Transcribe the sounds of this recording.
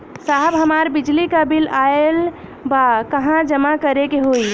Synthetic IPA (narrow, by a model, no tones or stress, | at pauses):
saɦbɦəmaɾbid͡ʒlikəbilael | bakəɦãd͡ʒəmakəɾekeɦoi